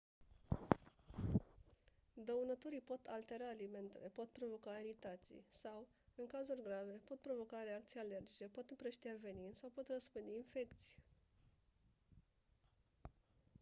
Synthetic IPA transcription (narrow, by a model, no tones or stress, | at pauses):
d̪əunət̪uɾijpo̞t̪ʰalt̪e̞ɾaːlime̞nt̪e̞le̞po̞t̪̚pɾo̞vo̞kaeɾit̪at̪sḭjsaw | ɨŋkazurʲɡɾave̞po̞t̪̚pɾo̞vo̞kaɾe̞ak̚t̪siale̞rd͡ʒit͡ʃe̞po̞t̪ɨmpɾəʃt̪iave̞ninsawpo̞t̪rəspɨnd̪einfe̞kt̪sʲi̥j